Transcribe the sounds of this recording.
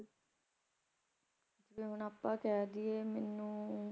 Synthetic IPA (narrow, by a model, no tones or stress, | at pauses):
d͡ʒeʋeːɦʊnaːpːãːkɛːd̪ieːmɛːnːũː